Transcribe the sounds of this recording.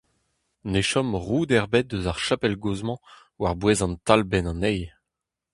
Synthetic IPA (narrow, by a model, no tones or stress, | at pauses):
neʃɔmʁuːd̪ɛʁbɛt̪̚d̪øzaʁʃapɛlɡozmɑ̃ | waʁbweːzɑ̃nt̪albɛnɑ̃nɛj